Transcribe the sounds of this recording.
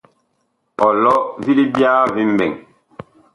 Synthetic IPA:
ɔ˨lɔ˦vi˦li˦bjaː˦vi˦m̩˦bɛ˨ŋ

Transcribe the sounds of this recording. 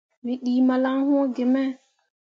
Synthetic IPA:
wi˨ɗiː˨ma˨la˦ŋhɔ̃˦ɡe˨mɛ˦

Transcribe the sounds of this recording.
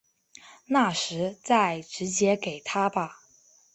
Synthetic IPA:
na˥˩ʂɻ̩˧˥t͡sa˥˩ɪʈ͡ʂɻ̩˧˥t͡ɕjɛ˥ke˨˩ɪt̪ʰa˥bɐ˧

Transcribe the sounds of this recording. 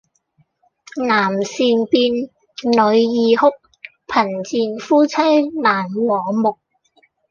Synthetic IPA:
naː˨˩msiː˧npiː˧n | lɵ˨˧ɥjiː˨hʊ˥k̚ | pʰɐ˨˩nt͡siː˨˧nfuː˥t͡sʰɐ˥jnaː˨˩nŋɔː˨˥mʊ˨k̚

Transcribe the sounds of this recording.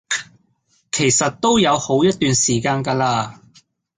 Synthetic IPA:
kʰe˨˩jsɐ˨t̚t̪o˥wjɐ˨˧who˨˥wjɐ˥t̚t̪ːyː˨nsiː˨˩kaː˧nka˧laː˧

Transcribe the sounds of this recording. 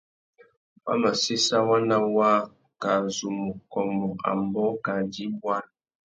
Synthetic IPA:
wa̰˦ma˨si˦sa˦wa˦na˦wa˦ | ka˨zu˨mu˨kɔ˨mɔ˨a̰˨mbɔ˦ka˨di˦bwa˦n

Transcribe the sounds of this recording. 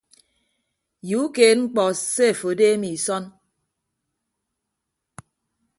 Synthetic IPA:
ju˨˦keː˨t̚ŋ͡m̩˦k͡pɔ˨se˦˨fo˨˦deː˦mi˨sɔ˦n

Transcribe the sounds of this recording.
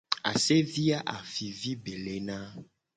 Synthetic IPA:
a̰˨se˦vi˦a˦ʔa˨fi˨vi˦be˨le˨nã˦

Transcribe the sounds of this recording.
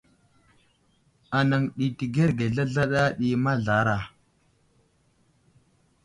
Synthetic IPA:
a˨na˨ŋɗi˨ti˨ɡe˦ɾɡe˨ɮa˦ɮa˦ɗa˦ɗi˨ma˦ɮa˨˦ɾa˨

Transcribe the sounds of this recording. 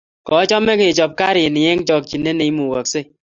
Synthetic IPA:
kɔ˨˦t͡ʃɔ˦mːe˦ke˨t͡ʃɔ˨p̚ka˦ɾi˨ni˨je˦ŋ˦t͡ʃɔ˦k̚t͡ʃi˨nːe˦ne˨i˦mu˨wɔ˨k̚se˦˨

